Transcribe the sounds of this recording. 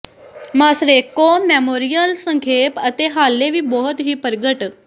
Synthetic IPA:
maːsɾeːkːoːmɛːmoːɾijəlsəŋkʰeːpət̪eːɦaːlːeːʋiːbɔːʊt̪ɦiːpəɾɡəʈ

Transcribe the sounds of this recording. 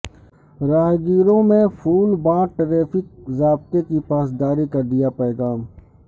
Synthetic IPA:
ɾaːɦɡiːɾõmẽfʰuːlbãːʈɾeːfɪk̚zaːbt̪ekipaːsd̪aːɾikɐɾd̪ijapɛːɡaːm

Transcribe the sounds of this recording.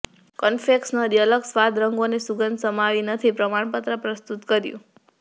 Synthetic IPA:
kənfeksnaɾjələksʋad̪ʱɾəŋɡonesuɡənd̪səmaʋinət̪ʰipɾəmaɳ̃pət̪ɾəpɾəst̪ut̪kəɾjṵ̃

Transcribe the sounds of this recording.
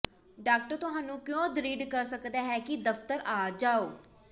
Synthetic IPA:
ɖaːk̚ʈəɾt̪ʊɦaːnũːkjõːd̪əɾiːɖkəɾsəkd̪aːɦɛːkɪd̪əft̪əɾaːd͡ʒaːoː

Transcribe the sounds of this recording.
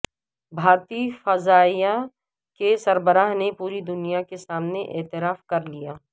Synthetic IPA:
bʱaːɾt̪ifɐzaːija | kesɐɾbəɾaːɦnepuːɾid̪ʊnijakesaːmneʔḛːt̪ɪɾaːfkɐɾlijaː

